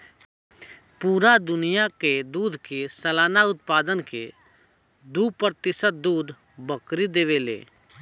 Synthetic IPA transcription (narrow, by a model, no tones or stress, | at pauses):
puːɾad̪ʊnɪjaked̪uːd̪ʱkesəlaːnaʊt̪̚paːd̪ənkḛ | d̪uːpɾt̪ɪsət̪̚d̪uːd̪ | bəkɾid̪eːʋelḛː